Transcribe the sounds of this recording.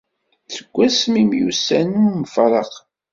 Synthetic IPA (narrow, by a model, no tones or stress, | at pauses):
θəɡʷːæsmimjṵsænuməfɾˤɑq